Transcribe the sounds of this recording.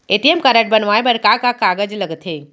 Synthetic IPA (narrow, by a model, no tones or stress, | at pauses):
eːʈiemkəɾəʈ̚bɐnʋaːebɐɾkakakaːɡəd͡ʒlɐɡt̪ʰɦeː